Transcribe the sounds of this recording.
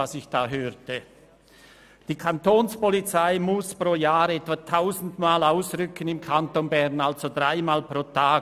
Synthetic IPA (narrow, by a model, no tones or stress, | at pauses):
asɪçd̥aːɦøːɾtə | d̥iːkʰantoːnspɔlit͡saɪmʊspʁoːjaːɾɛtvatʰaʊzn̩dmaːlaʊsʁʏkənɪmkʰantonbɛʁnalz̥odʁaɪmaːlpʁ̥oːtʰaː